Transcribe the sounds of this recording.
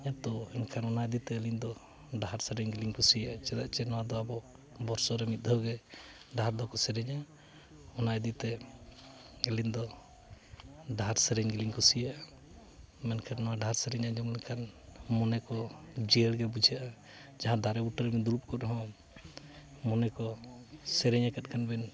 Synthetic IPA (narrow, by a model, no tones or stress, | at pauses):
ɲat̪ɔɛnkʰanɔnajd̪it̪ɛːlind̪ɔ | ɖaaɾsɛɾɛɲɡiliɲkusijaat͡ʃɛd̪aʔt͡ʃɛnɔwad̪ɔabɔ | bɔɾsɔɾɛmit̪̚d̪ʱɔɡɛ | ɖaɦaɾd̪ɔkɔsɛɾɛɲa | ɔnajd̪it̪ɛ | ɛliɲd̪ɔ | ɖʱaɾsɛɾɛɲɡiliŋkusija | mɛnkʰɛnɔwaɖʱaɾsɛɾɛɲad͡ʒɔmlɛkʰanmɔnɛkɔd͡ʒiɛlɡɛbud͡ʒʱiaʔa | d͡ʒaɦãd̪ʱaɾɛbuʈaɾɛmid̪uɾup̚kɔɾɦɔ̃ | mɔnɛkɔsɛɾɛɲakat̪̚ˀkʰanbɛn